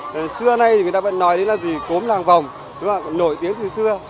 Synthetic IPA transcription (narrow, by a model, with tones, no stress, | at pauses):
sɨ˧əna˨˧jt̪ʰi˨jt̪aː˧və̰˧˥nːɔ˨˦jɗe˨˦nlaː˨˩zi˨˩ko˨˦mlaː˨˩ŋva˨˩wŋ͡m | ɗʊ˨˦ŋ͡mlaː˨˩˨nːo̰˧˩jt̪i˨˦əŋt̪ʰi˧əŋsɨ˧ə